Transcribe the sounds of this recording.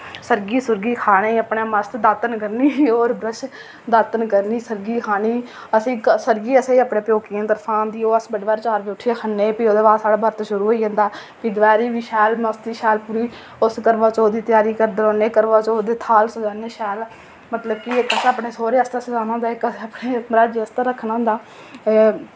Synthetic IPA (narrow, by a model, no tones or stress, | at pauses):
səɾɡiːsʊɾɡiːkʰaːɽeːəpɳaːməst̪d̪aːt̪ənkəɾniːoːɾbɾəʃ | d̪aːt̪ənkəɾniːsəɾɡiːkʰaːɽ̃iː | əsĩːsəɾɡiːəseːəːpɳeːpjoːkiãːt̪əɾpʰãːnd̪iːoːəsbəɽʋaːɾt͡ʃaːɾʋiːʊʈʰːeːkʰənːeːpiːoːd̪eːbaːsaːɽaːbəɾt̪ːʃʊɾuːɦoːiːɦə̃ːnd̪aːpiːd̪ʋɛːɾiːʋiːʃɛːlməst̪iːʃɛːlpuːɾiː | ʊskəɾʋaːt͡ʃoːd̪iːt̪ɪjaːɾiːkəɾd̪eɾoːneːkəɾʋaːt͡ʃoːd̪eːt̪ʰaːlsəd͡ʒaːneːʃɛːl | mət̪ləbkɪɪkəsaːpɳeːsoːɾeːəst̪aːsəd͡ʒaːnãːd̪aːɪkəsaːpɳeːmɾaːd͡ʒəst̪aːɾəkʰːnãːd̪aː